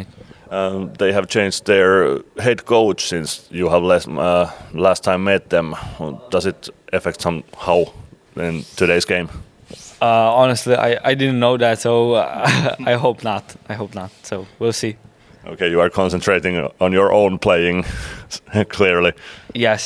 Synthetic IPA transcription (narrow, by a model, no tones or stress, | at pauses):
ʌðeɪɨv̥t͡ʃʰẽɪ̃nd͡ʒðə˞ɦɛd̚kʰoʊt͡ʃsɪ̃nsjɨəvlɛʌlæstʰãɪ̃mːɛt̪̚ðə̃md̥ʌzɨɾʔɨfɛk̚tsʌ̃mhaʊ | ɪ̃ntʰɨɾeɪzɡẽɪ̃m | ʌɑnəstˡliʔa̰ɪa̰ɪdɪdⁿn̩noʊðætsoʊ | aɪɦoʊpnətaɪɦoʊp̚nət̚soʊwilˠsi | ʔo̰ʊkʰeɪjɨə˞kʰɑ̃nsə̃ntʰɹ̥eɪɾɪ̃ŋə̃njə˞ʔõ̰ʊ̃npʰl̥eɪɪ̃ŋ | kʰl̥ɪɹlijɛs